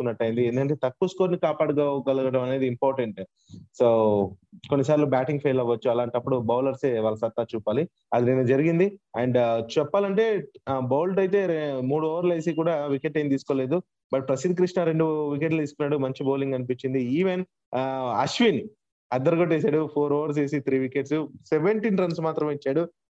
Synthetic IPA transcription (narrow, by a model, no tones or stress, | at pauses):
kunːɐʈːɐjind̪iend̪ukɐɳʈ̬e̞ːt̪ɐkːuɐskoːɾnikaːpaːɽuɡɐɡɐlɐɡɐʈɐmɐne̞ːd̪iːmpaːɾʈeɳʈ | soːko̞nːisaːɾlubaːʈiŋɡpʰɐjlɐʋːɐt͡ʃːuɐlaːɳʈɐpːuɽubɐwlɐɾseːʋaːlɐsɐt̪ːaːt͡ʃuːpaːli | ɐd̪inɐnɐd͡ʒɐɾiɡind̪iɐɳɖt͡ʃɛpːaːlɐɳʈe̞ːbowlʈɐjit̪̬e̞ːmuːɽuɔːʋɐɾleːsik̬uːɽaʋikeʈɐjmt̪iːsu̥koːleːd̪u | bɐʈ̚pɾɐsid̪kɾiʂɳɐɾe̞ɳɖuʋik̬eʈlt̪iːsu̥kunːaːɽumɐɲt͡ʃiboːliŋɡɐnip̬iɲt͡ʃind̪iiːʋen | ɐʃʋin | ɐd̪ɐɾɡoʈeːsaːɽupʰoːɾɐːʋɐɾs̬e̞ːsit̪ʰɾiːʋikeːʈsuseʋeɳʈiːnɾɐnsmaːt̪ɾɐmit͡ʃːaːɽu